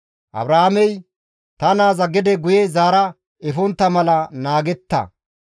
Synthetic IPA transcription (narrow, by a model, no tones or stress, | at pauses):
ʔɐ̰bɾɐhamɛj | t̪ɐnaːzɐɡɪd̪ɛɡʊjɛzaːɾɐ | ɛfɔnt̪ːɐmɐlɐnaːɡɛt̪ːɐ̰